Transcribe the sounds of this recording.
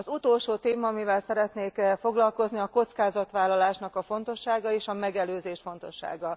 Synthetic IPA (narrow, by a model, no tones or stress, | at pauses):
ɒzut̪o̞lʃoːt̪eːmɒːmivɛlsɛɾɛt̪neːkfo̞ɡlɒlko̞zniɒko̞t̪skaːzɒt̪ʋaːlːɒlaːʃnɒkɒfo̞nt̪o̞ʃːaːɡɒeːʃɒmɛɡɛløːzeːʃfo̞n̪t̪o̞ʃːa̰ːɡɒ